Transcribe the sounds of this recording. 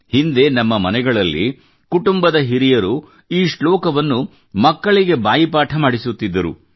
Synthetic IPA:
hind̪e̞nɐmːɐmɐnɛɡɐɭɐlːḭ | kuʈumbɐd̪ɐɦiɾijɐɾu | iːʂɭɔːkɐʋɐnːu | mɐkːɐɭiɡe̞baːjipaːʈʰɐmaːɽisut̪ːid̪ːɐɾṵ

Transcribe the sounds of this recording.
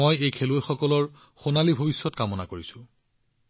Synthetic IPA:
ojejkʰelojxɔkɔlɔɹ | xonalibʱobisːɔtkamɔnakoɹisʊ̃

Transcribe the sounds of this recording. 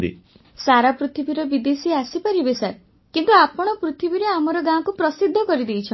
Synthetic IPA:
d̪ḭ | saɾapɾut̪ʰibiɾɔbid̪esiasipaɾibesaɾ | kint̪uapɔɽ̃ɔpɾut̪ʰibiɾeamɔɾɔɡãkupɾɔsid̪ʱːɔkɔɾid̪ejt͡ʃʰɔ

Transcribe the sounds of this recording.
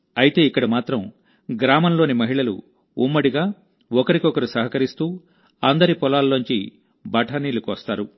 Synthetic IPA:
ɐjit̪e̞ːikːɐɽɐmaːt̪ɾɐm | ɡɾaːmɐnlo̞ːnimɐɦiɭɐlṵ | umːɐɽiɡaː | ɔkɐɾikɔkɐɾusɐɦɐkɐɾist̪uː | ɐnd̪ɐɾipɔlaːlnoɲt͡ʃḭ | bʱɐʈʰɐniːlukʋɐst̪aːɾu

